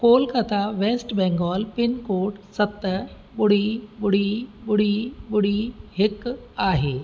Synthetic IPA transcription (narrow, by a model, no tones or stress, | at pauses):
kolkət̪ʰaʋesʈbɛ̃ŋɡɔlpinkoʈsət̪ːə | buɽ̤ibuɽ̤ibuɽ̤ibuɽiɦekaɦe